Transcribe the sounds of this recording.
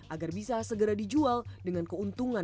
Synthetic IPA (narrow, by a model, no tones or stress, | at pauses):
ʔaɡarbisasəɡəɾadid͡ʒualdəŋankəunt̪uŋa